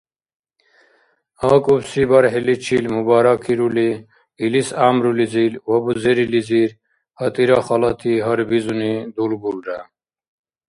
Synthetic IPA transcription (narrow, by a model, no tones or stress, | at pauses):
haːkʼubsibɐɾɦelit͡ʃʰilmubaːɾakʰiɾuli | ilisaːmɾulizilwɐbuzeɾiliziːɾ | hɐt̪ʼiɾaχɐlɐt̪ʰiɦɐɾbizunid̪ulbulɖa